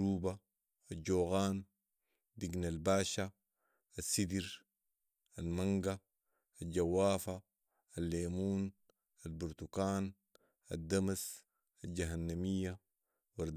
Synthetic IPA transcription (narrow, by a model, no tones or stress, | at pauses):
uːba | aɟoːɣaːn | d̪iɡnalbaːʃa | asːid̪iɾ | almaŋɡa | alɟawːaːfaː | lːeːmuːn | albuɾt̪ukaːn | a̰d̪amas | alɟaɦanːamijːa | waɾd̪